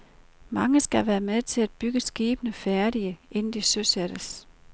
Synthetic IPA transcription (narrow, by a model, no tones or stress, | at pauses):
mɑ̈ŋəsɡ̥æʋæːɐmeðˠt͡sʰe̝læd̥̚b̥yɡ̥əsɡ̥iːb̥ənəfæɐɾiəʔe̝nn̩d̥isøseɾ̥əs